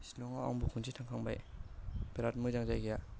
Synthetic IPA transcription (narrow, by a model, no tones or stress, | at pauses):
sinɔŋaa̰mbukʰunsʰitʰaŋkʰaŋba̰j | beɾat̚muzaŋzajɡija